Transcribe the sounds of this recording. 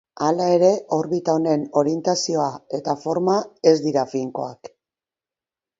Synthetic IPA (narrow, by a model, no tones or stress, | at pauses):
alae̞ɾe̞ʔo̞ɾβit̪ao̞ne̞no̞ɾie̞nt̪asio̞ae̞t̪afo̞ɾmae̞zd̪iɾafiŋko̞̰ak